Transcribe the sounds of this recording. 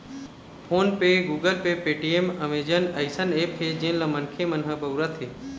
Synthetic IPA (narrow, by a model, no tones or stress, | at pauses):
pʰoːnpeɡuːɡəlpepeːʈiemɐmeːd͡ʒənɐɪsəneːpɦed͡ʒẽːnlɐmɐnkʰemɐnɦəbɐwɾət̪ʰɦeː